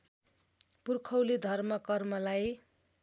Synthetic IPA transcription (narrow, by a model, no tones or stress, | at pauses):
purkʰʌwlid̪ʱʌrmʌkʌrmʌlaj